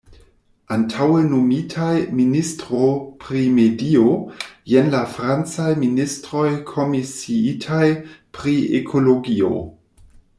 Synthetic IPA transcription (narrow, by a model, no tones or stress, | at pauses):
antʰawenomitʰajministɾopɾimediojenlafɾant͡sajministɾo̞jkʰo̞misiitʰajpɾiḛkʰo̞lo̞ɡio̰